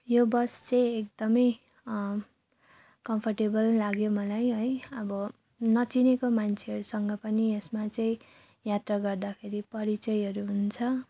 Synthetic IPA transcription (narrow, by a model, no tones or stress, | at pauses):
jobʌst͡sʌĩek̚d̪ʌmʌj | kʌmpʰʌrʈebʌlːaɡjomʌlajɦʌjʌbʌ | nʌt͡sinekomant͡sʰeɦʌɾusʌŋɡʌpʌniesmat͡sʌĩ | jat̪raɡʌrd̪akʰeɾipʌɾit͡sʌjʌɾuɦunt͡sʰʌ